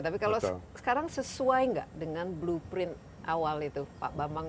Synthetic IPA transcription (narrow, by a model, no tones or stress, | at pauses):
t̪apikalasə̥kaɾaŋsəsuajŋɡa̰ʔdəŋanblupɾɪnt̪̚ | ʔawalit̪upa̰ʔbamaŋ